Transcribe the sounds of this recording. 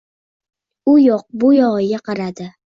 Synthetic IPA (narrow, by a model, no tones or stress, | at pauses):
ʊjoq̚bʊjɒʁɪɡaqɑɾad̪ɪ